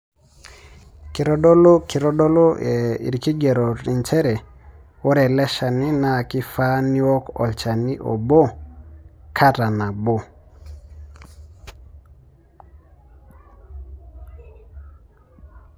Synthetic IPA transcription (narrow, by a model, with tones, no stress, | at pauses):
ki˨ɾo˦dɔ˦lo˦ki˨ɾo˦dɔ˦lo˦e˨ḭ˨ɾki˦ɡe˨ɾo˨ɾi˨nt͡ʃɛ˦ɾɛ˨ | wo˦ɾɛ˨lɛ˦ʃa˨ni˦na˨ki˦fa˦ni˦ɔ˦kɔ̰˨lt͡ʃa˨ni˦ʔo̰˨bo˦ | kʰa˦ta˨na˨bo˦